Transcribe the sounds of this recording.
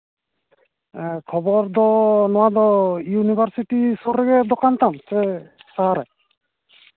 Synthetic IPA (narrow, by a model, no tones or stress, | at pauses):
kʰɔbɔɾd̪ɔnɔwad̪ɔjunibʱaɾsiʈisoɾɛɡɛd̪ɔkant̪amsɛsaɾɛ